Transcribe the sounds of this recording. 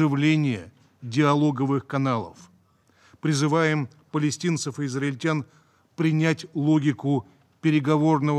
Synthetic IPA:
ɨvlʲenʲɪjə | dʲɪɐlˠo̞ɡəvɨxkɐnalˠə̰f | pɾʲɪzɨvajɪm | pəlʲɪsʲtʲint̪səfɨːzrɐɪlʲtʲan | pɾʲɪnʲætʲlˠoɡʲɪkʊ | pʲɪɾʲɪɡɐvo̞rnəvə

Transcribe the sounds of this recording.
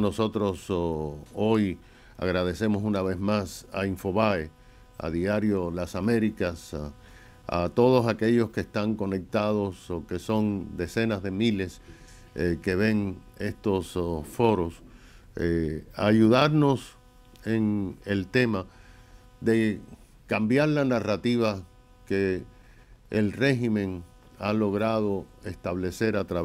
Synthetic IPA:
no̞so̞t̪ɾo̞s | oj | a̰ɣɾað̞e̞se̞mo̞sunaβe̞zmasaiɱfo̞βae | a̰ðiaɾjo̞lasameɾikas | a̰t̪o̞ð̞o̞sake̞ʝo̞skeːst̪aŋko̞ne̞k̚t̪aðo̞soke̞so̞nd̪e̞se̞nazðe̞mile̞s | eke̞βe̞ŋ | e̞st̪o̞sfo̞ɾo̞s | ea̰ʝuðaɾno̞s | e̞ŋelt̪e̞ma | ðe̞ | kambjaɾlanarat̪iβa | ke̞ | lre̞ximẽ̞ŋ | alo̞ɣɾaðo̞e̞st̪aβle̞se̞ɾat̪ɾa

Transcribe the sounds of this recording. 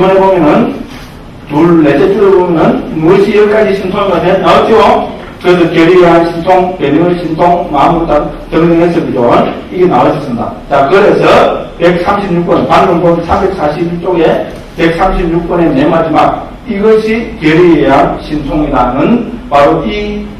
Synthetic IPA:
ibʌnebomjʌnɯn | tuɭːe̞d͡ʑet͡ɕ͈oɡebomjʌnɯnmuɕʰiːɾʌk͈ad͡ʑiɕʰinsʰoŋiɡanenawʌt͡ɕ͈ʰiɡo | kɯɾe̞s̬ʰʌkeɾieɦanɕʰinsʰoŋpeniŋɯɭɕʰinsʰoŋmamut͈at͡ɕʌŋɲeŋɦesʰʌkid͡ʑoaniɡenawʌɕʰis͈ɯmɲida̰t͡ɕakɯɾe̞sʰʌpek̚sʰamɕʰibɲuk̚p͈ʌnpannɯŋbomnsʰambe̞k̚sʰaɕʰib̚ɲuk̚t͡ɕ͈oɡe̞ | pek̚s͈ʰamɕʰib̚ɲuk̚p͈one̞nemɦad͡ʑimak̚ | iɡʌɕʰikeɾieɦanɕʰinsʰoŋenanɯnpaɾoi

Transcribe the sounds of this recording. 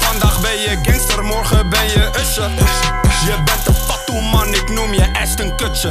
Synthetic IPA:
fɑndaːχbɛjjəkɪnstərmɔrχəbɛjjəʔəsə | jəbɛntəpɑtumɑnɪknumjəʔɛstənkøtsə

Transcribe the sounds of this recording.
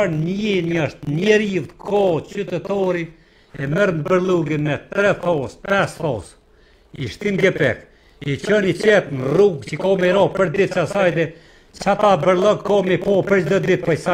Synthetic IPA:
nninəʃt̪nɛɾiwt̪kʰɔt͡ʃyt̪ɛt̪ɔɾi | ɛmɛɾmbəɾlˠuɡinmɛt̪ɾɛθɔspɛsθɔs | iʃt̪inɡɛpɛ̰k | it͡ʃɔnit͡ʃɛt̪nruɡt͡ʃəkɔmɛɾɔpəɾd̪it̪sasajd̪ɛ | t͡ʃat̪abəɾlˠɔɡ̚kɔmipɔpəɾd̪əd̪it̪̚pɔjsa

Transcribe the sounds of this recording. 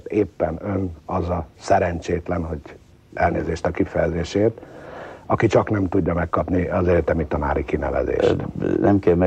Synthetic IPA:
t̪eːpːɛnø̞nɒzɒsɛɾɛɲt͡ʃeːt̪lɛnɦo̞ɟ | ʔɛlneːzeːʃt̪ɒkifɛjɛzeːʃeːrt̪ɒkit͡ʃɒknɛmt̪uɟːɒmɛkːɒpniɒzɛɟɛt̪ɛmit̪ɒna̰ːɾikinɛ̰vɛ̰zḛːʃnɛmkɛlmɛ

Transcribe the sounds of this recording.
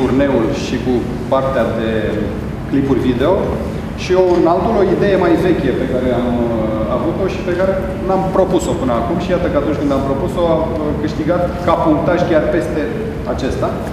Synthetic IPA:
t̪urne̞ulʃiku | part̪ead̪e̞ | klipurʲvid̪e̞o̞ | ʃio̞urnald̪ulo̞id̪e̞je̞majve̞kʲe̞pe̞kaɾe̞amavut̪o̞ʃipe̞kaɾe̞ | nampɾo̞puso̞pɨnəakumʃijat̪əkəat̪unt͡ʃʲkɨnd̪ampɾo̞puso̞a | kɨʃt̪iɡat̪kapuŋk̚t̪aʒkʲarpe̞st̪e̞ | at͡ʃe̞st̪a

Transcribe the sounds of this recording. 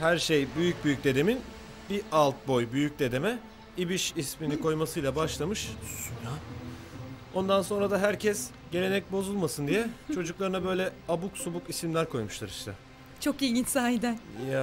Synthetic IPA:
hæɾʃejbyjyc̚byjyc̚d̪e̞d̪e̞min | bialˠt̪̚bo̞jbyjyc̚d̪e̞d̪e̞mɛ | ibiʃisminikʰo̞jmasɯjlˠabaʃlˠamɯʃsua | o̞nd̪anso̞nɾad̪aɦæɾcʰɛs | ɟe̞ɾe̞nɛc̚bo̞zulˠmasɯnd̪ijɛt͡ʃʰo̞d͡ʒuklˠaɾɯnabø̞jlʲɛabuksubukisimlʲæɾkʰo̞jmuʃlˠaɾiʃt̪ʰɛ | t͡ʃʰo̞kilʲɟinsaːɦid̪ænja

